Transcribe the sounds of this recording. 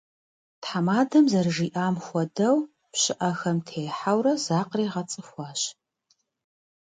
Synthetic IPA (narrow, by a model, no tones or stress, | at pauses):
tħamaːdɐmzɐrɨʒiːʔaːmxʷɔdɐw | pɕɪʔɐxɐmtʰeːħawrɐz̥aːqreːʁɐt͡sʼɨxʷɑːɕ